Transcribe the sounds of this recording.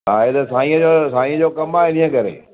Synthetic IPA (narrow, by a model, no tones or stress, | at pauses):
aːɦet̪ɐsãːĩːə̃d͡ʑoːsaːĩːə̃d͡ʑoːkɐmaːɦeɗĩːə̃kɐɾḛː